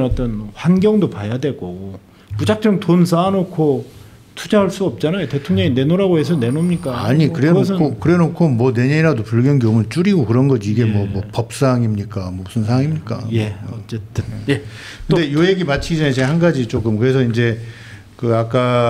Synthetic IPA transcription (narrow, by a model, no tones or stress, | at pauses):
ɾat͈ʌnɸwanɡʲjʌŋdopajadwe̞ɭɡʌɡo | pud͡ʑak̚t͡ɕ͈ʌŋtons̬ʰanokʰo | tʰud͡ʑaɦaɭs͈uʌp̚t͡ɕ͈anajote̞tʰoŋɲʌŋine̞noɾaɡoɦes̬ʰʌne̞nomɲik͈aaɲikɯɾenʌs̬ʰʌkʰokɯɾe̞nokʰomwʌne̞ɲeiɾadopuɭɡjʌnɡjomut͡ɕ͈uɾiɡokɯɾʌnɡʌd͡ʑiɡe̞mwʌmwʌpʌp̚s͈aŋimɲik͈amʌbusʰɯnsʰaaŋimɲik͈a̰je̞ʌt͡ɕ͈et͈ɯnje | kɯndejoeɡimat͡ɕʰiɡid͡ʑʌnet͡ɕʰehanɡad͡ʑit͡ɕ͈ok͈ɯmkɯɾe̞sʰʌind͡ʑe̞ | kɯak͈a